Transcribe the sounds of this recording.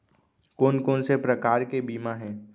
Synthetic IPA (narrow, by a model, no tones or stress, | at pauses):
koːnkoːnsepɾəkaːɾkebiːmaɦɛ̃ː